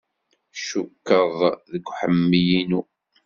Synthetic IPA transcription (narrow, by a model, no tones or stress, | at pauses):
ʃukːəðˤðəɡʷħəmːijinu